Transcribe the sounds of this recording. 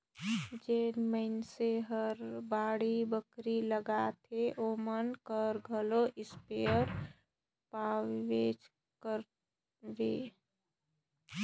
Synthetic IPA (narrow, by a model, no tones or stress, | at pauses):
d͡ʒeːnməɪnseɦəɾbaːɽibəkɾiləɡat̪ʰeʔomənkəɾɡʱəloʔɪspeəɾ | paʋed͡ʒ | kəɾ | ʋeː